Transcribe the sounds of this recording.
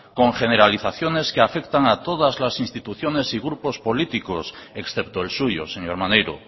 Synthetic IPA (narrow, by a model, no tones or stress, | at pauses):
ko̞ŋxe̞neɾaliθaθjo̞ne̞skeafe̞kt̪aŋat̪o̞ðazlasinst̪it̪uθjo̞ne̞siɣ̞ɾupo̞spo̞lit̪ikoseksθept̪oelsuʝo̰seɲoɾmanejɾo̰